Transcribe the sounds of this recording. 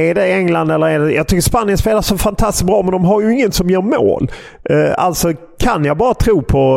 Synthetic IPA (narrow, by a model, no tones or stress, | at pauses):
ɛɖɛɛŋland̪ɛlːəɾæɖɛjɑ̰ːɡ̚t̪ʏkːəspanːɪjənspeːlaʂɔmfant̪ʰast̪ɪs̚bɾɑːmɛnd̪ɔmɦaɾjɵɪŋːənsɔmjœːɾmo̰ːl | a̰lt̪sɔ | kʰanjɑbɑːɾat̪ʰɾuːpʰɔ